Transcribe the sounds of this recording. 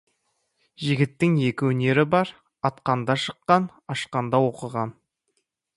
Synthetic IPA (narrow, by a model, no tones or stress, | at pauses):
ʒɪɡʲɪt̪ːɪŋe̞kʲɪwɵne̞ɾɪbɑɾ | ɑt̪qɑnd̪ɑʃə̥qːɑn | ɑʃqɑnd̪ɑwo̞qəʁɑn